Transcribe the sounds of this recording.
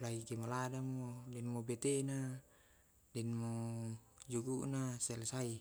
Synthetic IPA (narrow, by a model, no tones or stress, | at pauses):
laɡikemoladamodɛnmobet̪ena | dɛnmo | d͡ʒuɡuʔnasɛlsai